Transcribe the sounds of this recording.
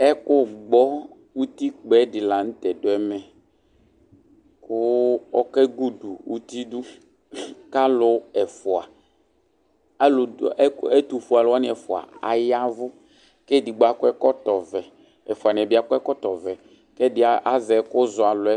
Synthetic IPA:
ɛ˦kʊ˦ɡ͡bɔ˦ | wu˦t̪i˦k͡pɛ˨˦dɪ˨la˨ŋ̩˦t̪ɛ˨dʊ˨˦ɛ˦mɛ˨ | kʊ˦ɔ˦kɛ˦ɡu˦du˨wṵ˦t̪i˦du˦ | ka˦lʊ˨ɛ˨fʊ˨a˨˦ | lʊ˨˦e˦t̪u˨fu˨a˨la˦nɪ̃˦ɛ˨fʊ˨a̰˨a̰˨ja˦vʊ˦ | kɛ˦di˨ɡ͡ba˨kʊ˦ɛ˦kɔ˦t̪ɔ˨vɛ˨ | ɛ˨fʊ˨a˨nɪ̃˨ɛ˨bɪ˦a˨kʊ˦ɛ˦kɔ˦t̪ɔ˨vɛ˨ | kɛ˦dɪ˨˦˨ʔa˦zɛ˨˦kʊ˦zʊ˨a˨lʊ˨˦ɛ˦

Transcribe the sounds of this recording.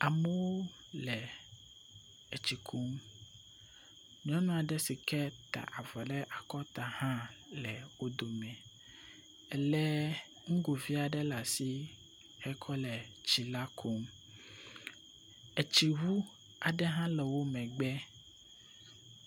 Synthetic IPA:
a˨mɛ˦wo˦ | lɛ˨ | e˨t͡ɕi˨kʰu˦m | ɲ˦ɔ̃˦nɔ̃˦˨a˨ɖɛ˦si˨kɛ˦t̪a̰˨ʔa˨va˨ɖɛ˦ʔa˨kɔ˦t̪a˨hã˦lɛ˨wo˦d̪o˨mɛ̃˨ | ɛ˨lɛ˦ | ŋ̩˦ɡo˨vi˦a˨ɖɛ˦la˨si˦ | ɛ˦kʰɔ˦lɛ˨t͡ɕi˨la˦kʰo˨˦m | ɛ˨t͡ʃi˨wu˦ | a˨ɖɛ˦ɦã˦lɛ˨wo˦mɛ̃˨ɡ͡bɛ˦

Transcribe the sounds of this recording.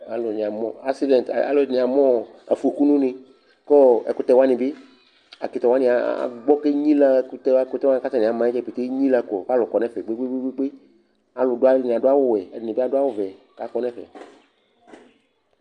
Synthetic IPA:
a˨lʊ˨nĩ˨a˨mɔ̃˦˨a˦ksi˦dɛ̃˨nt̪a̰˨lʊ˨nĩ˨a˨mɔ̃˦ | a̰˨fu˨o˨ku˦nũ˦nɪ̃˧ | kɔ˦ɛ̰˨kʊ˦t̪ɛ˦wa˦nĩ˨bɪ˦ | a̰˨ki˨t̪ɛ˨wa˦nĩ˨a̰˨˦˨ɡ͡bɔ˦ke˦ɲĩ˦la˦˨kʊ˦t̪ɛ˦a˦kʊ˦t̪wã˦ka˦ta˨nĩ˨a˨mã˨˦ɛ˦d͡ʒɛ˦˨pi˨t̪e˦ɲĩ˦la˧kɔ˨fa˦lʊ˨kɔ˨nɛ̃˦fɛ˨ɡ͡be˦ɡ͡be˦ɡ͡be˦ɡ͡be˦ɡ͡be˦ | a˨lʊ˨dʊ˦a˦˨nĩ˨a˨dʊ˦a˦wʊ˦wɛ˨ɛ˨dɪ˨nɪ̃˨be˦a˦dʊ˦a˦wʊ˦vɛ˨ | ka˨kɔ˦nɛ̃˦fɛ̰˨

